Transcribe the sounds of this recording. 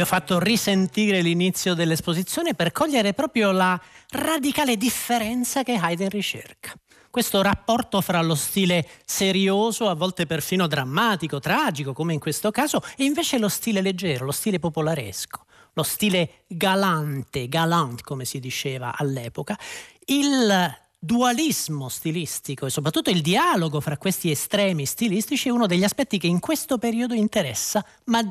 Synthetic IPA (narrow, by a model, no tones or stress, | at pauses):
ɔfːat̪ːorisent̪iːɾelinit̪sːjod̪elːespozit̪sːjoːneperkʰɔʎːeɾepɾɔːpɾjolarad̪ikaːled̪ifːeɾɛnt̪sakeɦajd̪enrit͡ʃḛrkḁ | kwest̪orapːɔrt̪ofɾalost̪iːleseɾjoːzoavːɔlt̪eperfiːnod̪ɾamːaːt̪ikot̪ɾaːd͡ʒikokomeiŋkwest̪okaːzoɛiɱveːt͡ʃelost̪iːleled͡ʒːɛːɾolost̪iːlepopolaɾḛsko̥ | lost̪iːle | ɡalant̪eɡalant̪komesid̪it͡ʃeːva̰ʔalːɛːpokail | d̪ualizmost̪ilist̪ikoesːop̬ɾat̪ːut̪ːoild̪iaːloɡofɾakːwest̪iest̪ɾɛːmist̪ilist̪it͡ʃiɛuːnod̪eʎːiaspɛt̪ːikeiŋkwest̪opeɾiːod̪oint̪eɾɛsːa | ma